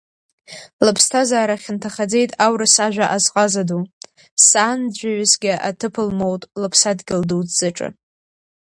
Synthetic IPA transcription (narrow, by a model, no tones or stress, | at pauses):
lɨpʰstʰazaːɾaχʲɪntʰaχad͡ze̞jtʼawɾɨsaʒᶣʷaʔazqʼazadu | saːnd͡ʒʷaɥɪsɡʲɪʔa̰tʰɨpʰɨlmo̞wtʼlɨpʰsadɡʲɪlduwt͡sz̥ɨʈ͡ʂʼɨ̰